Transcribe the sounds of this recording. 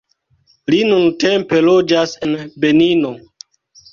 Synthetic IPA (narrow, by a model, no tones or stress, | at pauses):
linunte̞mpe̞lod͡ʒase̞nbe̞nino̞